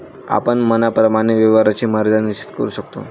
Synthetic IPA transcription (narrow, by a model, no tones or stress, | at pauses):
a̰pəɳmənapɾəmaɽ̃iʋəʋaɾat͡ɕiːməɾd̪anit͡ɕi̥t̪kə̰ɾuɕəkt̪o̰